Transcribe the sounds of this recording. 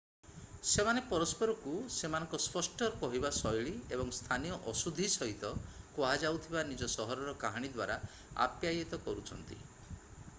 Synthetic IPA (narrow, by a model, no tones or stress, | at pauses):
semanepɔɾɔspɔɾɔkusemanɔ̃ŋkɔspɔsʈɔɾɔkɔɦibasɔjɭiebɔŋst̪ʰanijɔʔɔsud̪ʱisɔɦit̪ɔkoɦad͡ʒawt̪ʰibanid͡ʒɔsɔɦɔɾɔɾɔkaɦaɽ̃id̪waɾa | a̰pjajet̪ɔkɔɾut͡ʃʰɔnt̪ḭ